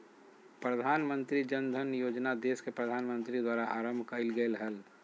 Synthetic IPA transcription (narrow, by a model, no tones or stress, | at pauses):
pɾəd̪ʱaːnmə̃nt̪ɾid͡ʒənd̪ʱənjoːd͡ʒnad̪eːskepɾəd̪ʱaːnmə̃nt̪ɾid̪waːɾaʔaːɾəmbʱkəɪlɡəlɦəl